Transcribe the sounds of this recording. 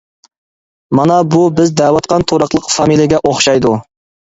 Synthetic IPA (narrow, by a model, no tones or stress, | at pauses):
mɑnɑbubɪzd̪æːwɑt̪qʰɑnt̪ʰoɾɑqlˠəqfɑmilˠijɪɡʲɛʔoχʃɑjd̪u